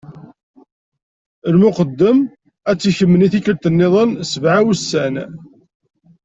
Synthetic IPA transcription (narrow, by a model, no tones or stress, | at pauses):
əlmʊqəd̪ːəm | æt͡sːiçəmːəniθikːəɾt̪ənːɪðˤənsəvʕawusːæn